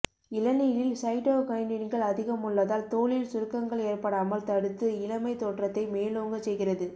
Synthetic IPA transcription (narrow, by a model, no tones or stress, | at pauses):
ɪlɐnɪjɪlsɐɪʈoːkɐɪnɪnɡɐɭɐðɪɣɐmʊɭːɐðaːlt̪oːɭɪlsʊɾɯkːɐŋɡɐɭeːrpɐɽaːmɐlt̪ɐɽɯt̪ːɯɪlɐmɐɪt̪oːʈrɐt̪ːɐɪmeːloːŋɡɐsɛjɣɪrɐðɯ